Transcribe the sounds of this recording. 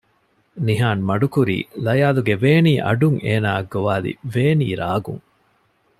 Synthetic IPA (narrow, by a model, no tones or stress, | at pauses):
niɦaːnmɐɖukuɾḭːlɐjaːluɡeʋeːniːʔɐ̰ɖuŋeːnaːɐɡːoʋaːlḭʋeːnḭːɾaːɡṵŋ